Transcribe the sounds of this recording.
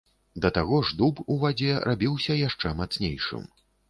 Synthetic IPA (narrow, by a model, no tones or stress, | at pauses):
d̪ɐt̪aɣɔʐd̪upuvad͡zʲɛɾʔabʲiwsʲɐjaʂt͡ʂɛmat̪snʲejʂɨ̰m